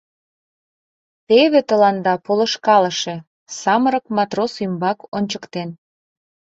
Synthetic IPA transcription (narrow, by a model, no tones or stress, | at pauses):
t̪eβet̪əlɑnd̪ɑpolŏʃkɑləʃe̽ | sɑməɾəkmɑt̪rosymbɑkonʲt͡ɕəkt̪en